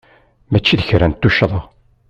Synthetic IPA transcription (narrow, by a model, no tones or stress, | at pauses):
mæt͡ʃːiðəçɾænt̪ːuʃðˤəʁ